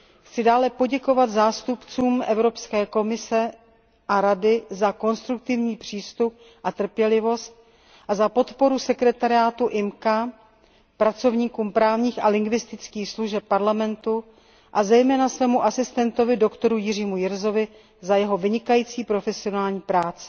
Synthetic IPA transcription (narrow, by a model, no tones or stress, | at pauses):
xt͡sɪdaːlɛpo̞ɟɛko̞vat̪zaːst̪upt͡suːmʔɛvɾo̞pskɛːko̞mɪsɛ | ʔaɾadɪzako̞nst̪ɾuk̚t̪ɪvɲiːpr̝̥iːst̪up̚ | ʔat̪r̩pjɛlɪvo̞st̪̚ | ʔazapo̞t̪po̞ɾusɛkɾɛt̪aɾɪaːt̪uʔɪmka | pɾat͡so̞vɲiːkuːmpɾaːvɲiːxʔalɪŋɡvɪst̪ɪt͡skiːxsluʒɛp̚ːaɾlamɛnt̪u | ʔazɛjmɛːnasvɛːmuʔasɪst̪ɛnt̪o̞vɪdo̞kt̪o̞ɾujɪriːmujɪɾzo̞vɪ | zajɛɦo̞vɪɲɪkajiːt͡siːpɾo̞fɛsɪo̞naːlɲiːpɾaːt͡sɪ̥